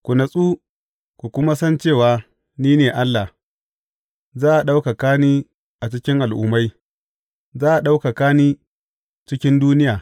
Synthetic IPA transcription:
kʷu˨na˨sʼuː˦ | kʷu˨kʷʊ˦ma˦sɐ˦nt͡ʃeː˦˨waː˨ | niː˦neː˨ʔa˦lːa˨h | zaː˦ʔa˨ɗa˦wka˨kaː˦niː˦ | ʔa˨t͡ʃɪ˦kʲɪ˦ŋʔa˨lʔʊ̰˨ma˦j | zaː˦ʔa˨ɗa˦wka˨kaː˦niː˦ | t͡ʃɪ˦kʲɪ˦nduː˦nɪ˦jaː˨

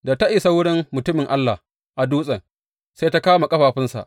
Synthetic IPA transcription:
da˨ta˦ʔi˨sa˦wʊ˦ɽɪ˦mːʊ˨tʊ˦mɪ˨ŋʔa˦lːa˨h | ʔa˨duː˦sʼɐ˨ŋ | se˦ta˦kaː˦ma˨kʼɐ˦ɸaː˨ɸɪ˦nsa̰˨ʔ

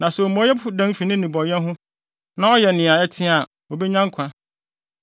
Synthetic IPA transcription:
nã˨so˨mɔ̃˨˦jɛ˦fu˨dã˦m˦fi˨nɪ̃˦nĩ˨bɔ̃˨n˦ɛ˦ɦʊ̃˦ | nã˦ɔ˦jɛ˨nɪ̃˨a˨ɛ˦tʰɪ̃˦a˨ | o˨be˦ɲã˦ŋ˦kʷʰã˦

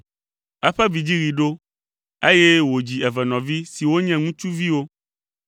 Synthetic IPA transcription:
ɛ˦ɸɛ˦vi˨d͡ʑi˦ɣi˨ɖo˦ | e˦jɛ˦wo˨d͡ʑi˨ɛ˨vɛ˨nɔ̃˨vi˦si˨wo˦ɲɛ̃˦ŋũ˦t͡ʃu˦vi˦wo˦

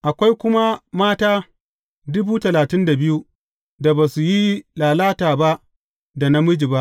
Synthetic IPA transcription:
ʔa˨kʷa˦jkʷʊ˦ma˦maː˦taː˦ | dʊ˦buː˦tɐ˨laː˨tɪ˦nda˨bɪ˦ju˦ | da˨baː˨su˨ji˦laː˨laː˦taː˨ba˦ʔ | da˨na˦mʊ˦d͡ʒi˨ba˦ʔ

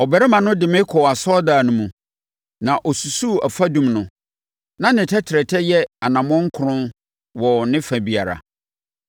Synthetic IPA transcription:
ɔ˨bɛ˨ɾɛ˦mã˨nʊ̃˦dɪ˨mɪ̃˦kʰɔ˨a˨sɔ˦daː˨nʊ̃˦mũ˨ | nã˨ʔɔ˨su˨su˦˨a˨fa˦dũ˨mnʊ̃˨ | nã˦nɪ̃˨tʰɛ˦tʰɪ˨ɾɛ˨tʰɛ˦jɛ˦a˨nã˨mɔ̃˦ŋ̩˦kʰʊ˨ɾʊ̃˦n | wɔ˨nɪ̃˦fa˨bi˨a̰˨ɾa̰˨

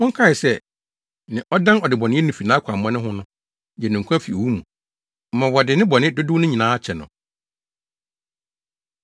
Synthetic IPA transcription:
mʊ̃˦kʰa˦˨ɪ˨sɛ˦ | nɪ̃˨ʔɔ˦dã˦nɔ˨dɪ˨bɔ˨nɪ̃˦nũ˨fi˨nã˦kʰa˨mmã˦nɪ̃˦ɦʊ̃˦nʊ̃˦ | jɛ˨nʊ̃˨ŋ˨kʷʰã˦fi˨o˨wu˦mũ˨ | m̩˨mã˨wɔ˨dɪ˨nɪ̃˦bɔ˨nɪ̃˦dʊ˦dʊ˦nʊ̃˦ɲĩ˨nãː˨˦a˦t͡ɕʰɛ˨nʊ̰̃˨

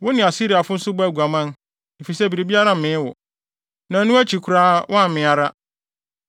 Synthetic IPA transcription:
wʊ˦nɪ̃˨a˨si˦ɾi˨a˨fʊ̃˦n̩˦sʊ˦bæ˦˨ɡʷa˨mã˦n | e˨fi˨sɛ˦˨bi˨ɾi˨bi˦a˦ɾã˦m̩˨mɪ̃˨˦wʊ̰˨ | nã˨˦nũ˦æ˦t͡ɕʰi˨kʰu˨ɾaː˦wʔɔ̃˦a˦m̩˨mɪ̃˨a˨ɾa˦

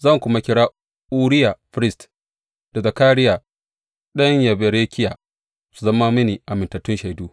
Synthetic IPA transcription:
zɐ˦˨ŋkʷʊ˦ma˦kʲɪ˦ɽaː˦ | ʔuː˦ɽɪ˦ja˨ɸɪ˦ɾɪ˦st | d̥a˨zɐ˨kaː˦ɾɪ˦jaː˨ | ɗɐ˦ɲjɐ˨be˨ɾeː˦kʲʰɪ˦jaː˨ | su˨zɐ˦ma˦mɪ˦niː˨ʔa˨mɪ˨ntɐ˨tʊ˦nʃa˨jduː˦

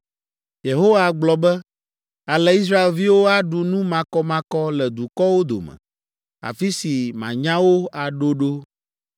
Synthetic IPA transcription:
je˨ɦo˦wa˨ɡ͡blɔ˨bɛ˦ | a˨lɛ˨i˦s̬ɾa˦e˨lvi˦wo˦a˦ɖu˨nũ˦mã˨kɔ˦mã˨˦kɔ˦lɛ˨d̪u˨kɔ˦wo˦d̪o̰˨mɛ̰̃˨ | a̰˨fi˦si˨mã̰˨ɲã˦wo˦a˨ɖo˦ɖo˦

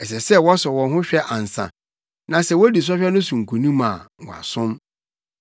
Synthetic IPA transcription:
ɛ˨sɛ˨sɛ˦wɔ˦sɔ˨wɔ̃˨nɦʊ̃˦ɕᶣɛ˦ʔa˨n̩˨sã̰˨ | nã˨sɛ˨wɔ˦di˨s̬ɔ˦ɕᶣɛ˦nʊ̃˦sũ˨ŋ̩˨kʰu˨nũ˦mã̰ː˨ɔ˨a̰˨sʊ̃˦m

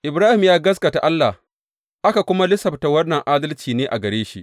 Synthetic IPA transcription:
ʔɪ˨bɾaː˦hɪ˨mjaː˦ɡɐ˦s̬ka˨ta˨ʔa˦lːa̰˨h | ʔa˦ka˨kʷʊ˦ma˦lɪ˦sɐ˨ɸta˨wɐ˦nːɐ˨ŋʔaː˦dɐ˦lt͡ʃiː˨neː˦ʔa̰˨ɡɐ˨ɾeː˦ʃi˦ʔ

